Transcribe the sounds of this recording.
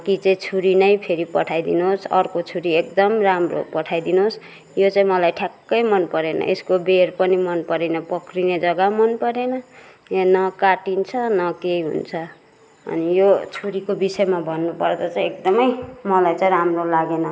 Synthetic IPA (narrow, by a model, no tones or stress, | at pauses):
kit͡saĩt͡sʰuɾinʌjpʰeɾipʌʈʰajd̪inuɦosʌ̰rkot͡sʰuɾiek̚d̪ʌmramro̰pʌʈʰajd̪inuɦos | jot͡saĩmʌlajʈʰjakːʌjmʌnpʌɾenʌ̰ʔḛskoberpʌnimʌnpʌɾenʌpʌkrined͡zʌɡamʌnpʌɾenʌ | nʌkaʈint͡sʰʌnʌkejɦṵnt͡sʰʌ | ʌ̰nijot͡sʰuɾikobisʌjmabʱʌnːupʌrd̪at͡saĩek̚d̪ʌmʌjmʌlajt͡saĩɾamrolaɡenʌ